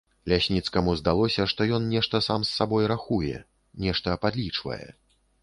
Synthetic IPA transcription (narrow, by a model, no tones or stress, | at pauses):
lʲasʲnʲit̪skɐmuzd̪alˠɔsʲɐʂt̪ɔjɔnnʲɛʂt̪ɐsamsːabɔjɾaxujɛ̰ | nʲɛʂt̪ɐpad̪lʲit͡ʂvɐ̰jɛ̰